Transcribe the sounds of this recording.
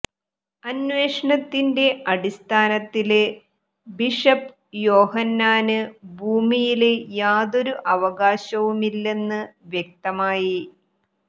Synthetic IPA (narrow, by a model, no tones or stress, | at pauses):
ɐnʋeːʂɐɳɐt̪ːinde̞ɐɽist̪ʰaːnɐt̪ːil | biʂɐp | jo̞ːhɐnːaːnɨbʱuːmijilejaːðo̞ɾuʔɐʋɐɣaːɕɐʋumilːe̞nːɨʋjek̚t̪ɐmaːji